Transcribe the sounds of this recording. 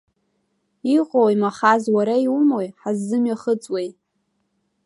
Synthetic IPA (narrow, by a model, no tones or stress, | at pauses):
iqʷʼowjmaχazwaɾaiwumojħazːɨmɥaχət͡sʼwej